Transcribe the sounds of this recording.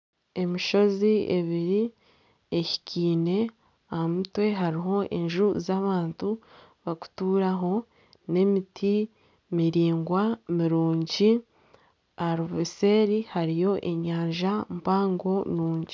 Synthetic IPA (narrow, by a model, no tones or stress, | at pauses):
e̞miʃo̞zie̞βiɾi | eçi̥ciːne̞ | ahamutwe̞ɦaɾiɦo̞ʔe̞̰ɲʒuzaβaːntuβaku̥tuːɾaɦo̞ | ne̞mitʰi | miɾiːŋɡwamiɾuːɲɟi | aɾoβise̞ːɾihaɾijo̞ʔe̞ɲaːɲʒampaːŋɡo̞nuːɲɟi